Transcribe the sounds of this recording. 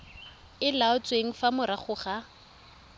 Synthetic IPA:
ɪlaʊt͡sʼweŋ̩famʊɾaχʊχa

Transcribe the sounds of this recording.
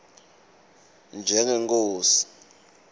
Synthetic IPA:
nd͡ʒʱɛŋɛŋk̬ʼoːsi̥

